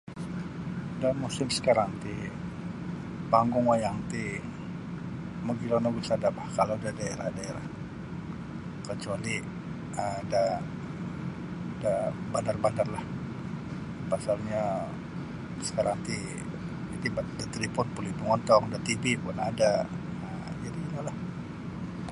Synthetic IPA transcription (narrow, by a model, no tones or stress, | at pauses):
damusɪmsə̥kaɾaŋt̪i | paŋɡʊŋwajaŋt̪i | maɡilanaɡisadabahkalodadaeɾahdaeɾah | kət͡ʃuali | ada | dabandarbandarlah | pasalɲa | sə̥kaɾaŋt̪i | it̪ibadat̪ɾipʊnpuliduŋɔnt̪ɔŋdat̪ibipʊnada | ə | d͡ʒadiinalah